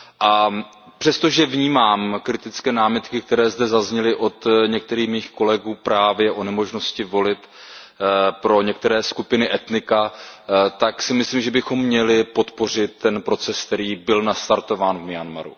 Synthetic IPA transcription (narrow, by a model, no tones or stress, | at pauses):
ʔa | pr̝̥ɛst̪o̞ʒɛvɲiːmaːmkɾɪt̪ɪt͡skɛːnaːmɪt̪kɪk̚t̪ɛɾɛːzdɛzazɲɛlɪʔo̞t̪ɲɛk̚t̪ɛɾiːxmiːxko̞lɛɡuːpɾaːvjɛʔo̞nɛmo̞ʒno̞scɪvo̞lɪt̪ | pɾo̞ɲɛk̚t̪ɛɾɛːskupɪnɪʔɛt̪nɪka | t̪aksɪmɪslimʒɛbɪxo̞mːɲɛlɪpo̞t̪po̞r̝ɪt̪ːɛnpɾo̞t͡sɛsk̚t̪ɛɾiːbɪlnast̪aɾt̪o̞vaːnvmɪjanma̰ɾṵ